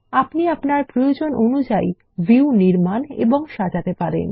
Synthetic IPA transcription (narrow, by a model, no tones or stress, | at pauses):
apniapnaɾpɾojod͡ʑonʔonud͡ʑaj | viwniɾmanḛboŋʃad͡ʑat̪epaɾḛn